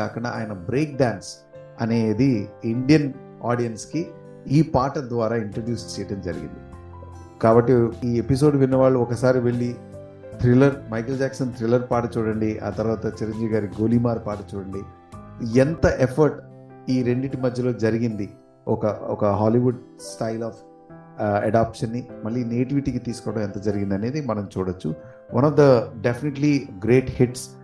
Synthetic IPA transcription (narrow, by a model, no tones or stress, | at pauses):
aːkɐɳɖa̰aːjɐnɐbɾeːk̚ɖaːns | ɐne̞ːd̪iiɳɖijɐn | aːɖijɐnski | iːpaːʈɐd̪ʋaːɾaːiɳʈɾoɖjuːst͡ʃeːʈɐmd͡ʒɐɾḭɡḭnd̪i | kaːbɐʈːiiːepis̬o̞ːɖʋinːɐʋaːɭːuɔkɐsaːɾiʋeɭːi | t̪ɾilɐɾmɐjkɐld͡ʒaːksɐnt̪ɾilɐɾpaːʈɐt͡ʃuːɽɐɳɖiʔa̰ːt̪ɐɾʋaːt̪ɐt͡ʃiɾɐɲd͡ʒiːʋiɡaːɾiɡoːlimaːɾpaːʈɐt͡ʃuːɽɐɳɖi | ɛnt̪ɐʔepʰɐɾʈ | iːɾeɳɖiʈimɐd̪ʱjɐlo̞ːd͡ʒɐɾiɡind̪i | ɔkɐɔkɐɦaːliʋuɖsʈɐjlaːfʰ | ɐ̰ɖaːpʂɐnːimɐɭːineːʈiʋiʈiːkit̪iːsu̥kɔːʋɐɽɐmɛnt̪ɐd͡ʒɐɾiɡind̪ɐne̞ːd̪imɐnɐmt͡ʃuːɽɐt͡ʃːu | ʋʔɐnɐʋd̪ɐɖepʰineʈliɡɾeːʈhiʈs